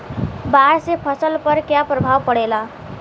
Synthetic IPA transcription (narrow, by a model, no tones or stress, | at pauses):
baɽsepʰʌsəlpʌɾkjapɾʌbʱawpʌɽela